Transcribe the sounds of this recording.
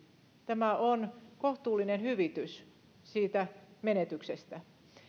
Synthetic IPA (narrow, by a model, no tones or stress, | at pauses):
t̪æmæonkoht̪uːlːinenhyʋit̪ys | siːt̪æmenet̪yksest̪æ